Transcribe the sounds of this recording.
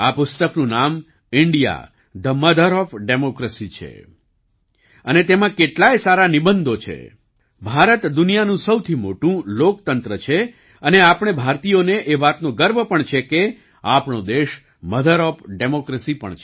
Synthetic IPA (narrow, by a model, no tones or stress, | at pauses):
apʊst̪əknũnam | ɪɳɖija̰ | d̪əməd̪əɾɔfɖemokɾesit͡ʃʰḛ | ənet̪emãkeʈlajsaɾanibənd̪ʱot͡ʃʰḛ | bʱaɾət̪d̪unijanũsəwt̪ʰimoʈũlok̚t̪ənt̪ɾət͡ʃʰe | əneapɳ̃ebʱaɾt̪ijoneʔeʋat̪nõɡəɾbʱəpəɳt͡ʃʰeke | apɳod̪eʃ | məd̪əɾɔfɖemokɾesipə̰ɳt͡ʃʰe